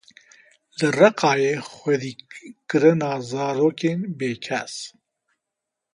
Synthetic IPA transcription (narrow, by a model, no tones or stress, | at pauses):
lɨrɐqɑːjeːxʷwɛd̪iːkɨɾɨnɑːzɑːɾoːkeːnbeːkʰɛ̰s